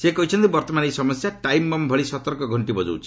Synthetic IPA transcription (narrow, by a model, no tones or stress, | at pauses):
sekɔɦit͡ʃʰɔnt̪ibɔɾt̪ɔmanisɔmɔsjaʈajmːɔmbʱɔɭisɔt̪ɔɾkɔɡʱɔɳʈibɔd͡ʒo̰wt͡ʃʰi̥